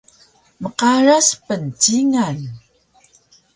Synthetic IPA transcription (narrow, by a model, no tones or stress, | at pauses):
məqaɻaspənt͡ɕiŋan